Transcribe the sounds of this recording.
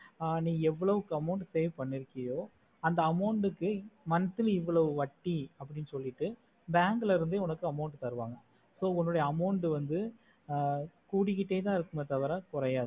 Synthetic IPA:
nĩːɛʋːɐɭɐʋɯkːɯɐmɐʊɳɖseːʋpɐɳːɪɾɯkːɐjoː | ɐnd̪ɐɐmɐʊɳɖɯkːɯmɐnɐt̪ːɪlɪʋːɐɭɐʋɯʋɐʈːiɐpːɐɽɪnːɯsɔlːɪʈːɯ | baːŋɡɪlɐɪɾɯnd̪ɯʊnɐkːɯɐmɐʊɳʈt̪ɐɾɯʋaːŋɡɐ | soːʊnːɔɽɐjɐɐmɐʊɳʈɯʋɐnd̪ɯ | kuːɽɪkːɪʈːeːt̪ãːɪɾɯkːɯmɐt̪ɐʋɐɾɐ̃kʊɾɐjaːðɯ

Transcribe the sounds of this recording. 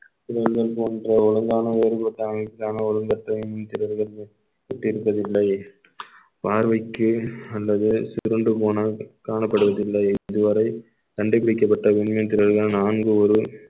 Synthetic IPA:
t̪ɪɾɐɾɣɐɭpoːndrɐɔɻɐŋɡaːnɐeːɾɯpɐʈ̪ːɐŋɐkːaːnɐɔɻɐŋɡɐʈːɐɪmɪnt̪ɪɾɐɾɣɐɭ | ʋɛʈːɪɾɯpːɐðɪlːɐɪ | paːɾʋɐɪkːɯɐlːɐðɯsɪɪɾɯɳɖɯpoːnɐkaːɳɐpːɐɽɯʋɐðɪlːɐɪɪðɯʋɐɾɐɪ | t̪ɐɳɖɪpɪɽɪkːɐpːɐʈːɐʋɛnmɪnt̪ɪɾɐɾɣɐɭnaːnɡɯɔɾɯ

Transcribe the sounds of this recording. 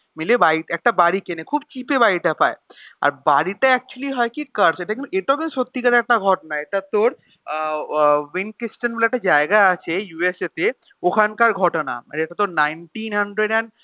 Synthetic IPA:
milebaiʈɛk̚ʈabaɽikenekʰubt͡ɕipebaɾiʈapa̰ea̰ɾbaɽiʈaɛk̚t͡ɕualiɦɔekikəɾseʈakint̪ueʈaokinuʃot̪ːikat̪aɛk̚ʈaɡʱɔʈonaeʈat̪oɾ | winkɾisʈanbelaɛk̚ʈad͡ʑaeɡaat͡ɕʰejueset̪e | okʰankaɾɡʱɔʈona̰eʈat̪oɾnajnʈinɦɐɳɖɾeɖɛn

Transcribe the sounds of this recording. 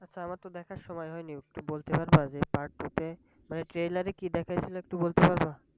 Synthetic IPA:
atːɕʰaamaɾt̪od̪ɛkʰaɾʃɔmɔjɦɔjniek̚ʈubolt̪epaɾbad͡ʑepaɾʈʈːut̪e | maneʈɾejlaɾekid̪ɛkʰajt͡ɕʰiloek̚ʈubolt̪epaɾba

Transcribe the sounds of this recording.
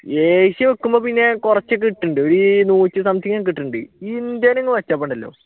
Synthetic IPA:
eːɕiʋekːumboːpinːe̞kurɐt͡ɕːɨk̬iʈːuɳɖɨoɾunuːt͡ɕːɨsɐmd̪ʰʱjiŋːaːk̬iʈːuɳɖɨind̪aːneŋːʋɐt͡ɕːaːpːɐɳɖɐlːo̞̰ː

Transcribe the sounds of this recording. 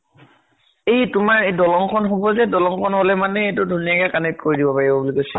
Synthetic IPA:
ejtʊmaɹedɔlɔŋkʰɔnɦobɔzɛdɔlɔŋkʰɔnɦɔlɛmanɛetʊdʱuniakɛkanit̚koɹidibɔpaɹibɔbulikojsɛ

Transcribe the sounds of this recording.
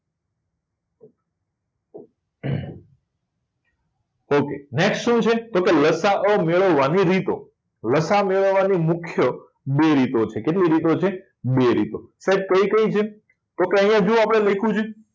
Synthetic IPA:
okeneksʈʃũt͡ʃʰet̪okeləsaʔəmeɭəʋːaniɾit̪o̰ | ləsameɭəʋːanimʊkʰjə | beɾit̪ot͡ʃʰekeʈliɾit̪ot͡ʃʰe | beɾḭt̪osaib̚kəikəit͡ʃʰe | t̪okeəjãd͡ʒũapɽ̃elekʰũt͡ʃe

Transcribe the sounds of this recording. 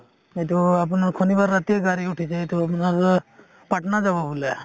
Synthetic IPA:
et̪uapunaɾkʰonibaɾːat̪iəɡaɾiuʈʰit͡ʃʰeet̪uapɔnaɾ | paʈnad͡ʒababule

